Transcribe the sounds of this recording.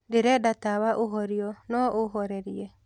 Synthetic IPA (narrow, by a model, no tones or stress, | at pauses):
deɾɛdatawaʔoɦɔɾiɔnɔʔoɦɔɾɛɾiɛ